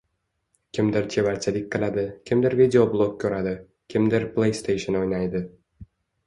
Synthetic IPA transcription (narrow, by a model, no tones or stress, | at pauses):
kʲʰɪmd̪ɪɾt̪ʰe̞vaɾt͡ʃʰɪlɪk̚ʲqʰɨlˠad̪ɪkʲʰɪmd̪ɪɾvid̪ʲeoblˠok̚ʲkʰːɵɾad̪ɪ | kʲʰɪmd̪ɪɾplˠejst̪ʰejʃonojnajd̪ɪ